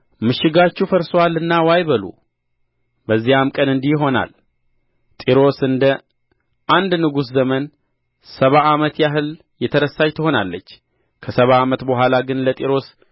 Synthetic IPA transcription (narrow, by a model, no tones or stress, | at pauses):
mɨʃɪɡat͡ʃːufəɾsowalɨnːawajβəlṵ | bəzːijamkʼənɨnd̪ihɦo̞na̰l | t̪ʼiɾo̞sɨnd̪ə | ʔand̪nɨɡus̬zəmən | səβaamət̪jaɦɨl | jɛt̪ʰəɾəsajt̪ʰɨho̞na̰lːət͡ʃː | kʰəsəβaːmət̪boɦʷalaɡɨnlət̪ʼiɾo̞s